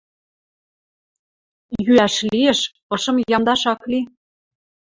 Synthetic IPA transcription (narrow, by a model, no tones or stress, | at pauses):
jyæʃlieʃ | ɤ̆ʃɤ̆mjɑmd̪ɑʃɑkli